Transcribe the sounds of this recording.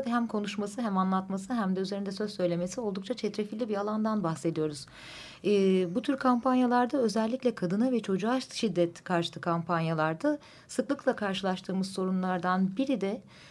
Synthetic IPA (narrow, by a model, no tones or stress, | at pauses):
d̪ɦæmkʰo̞nuʃmasɯɦæmanlˠat̪masɯɦæmd̪ɛyze̞ɾind̪ɛsø̞zsø̞jlʲe̞me̞sio̞lˠd̪ukt͡ʃʰat͡ʃʰɛt̪ɾefilʲːibialˠand̪anbaxse̞d̪ijo̞ɾuz̥ː | but̪ʰyɾkʰampanjalˠaɾd̪aø̞zɛlʲːicʲlʲɛkʰad̪ɯnavɛt͡ʃʰo̞d͡ʒuaʃʃid̪ːɛt̪kʰaɾʃɯ̥t̪ʰɯkʰampanjalˠaɾd̪a | sɯklˠɯklˠakʰaɾʃɯlˠaʃt̪ʰɯːmɯzso̞ɾunlˠaɾd̪anbiɾid̪ɛ